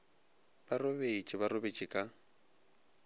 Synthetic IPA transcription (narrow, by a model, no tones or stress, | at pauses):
barobet͡ʃʼɪβarobet͡ʃʼɪkʼa